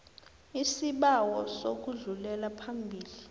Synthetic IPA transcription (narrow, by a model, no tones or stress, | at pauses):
isiɓawɔsok̬uɮulɛlapʰambʱiːli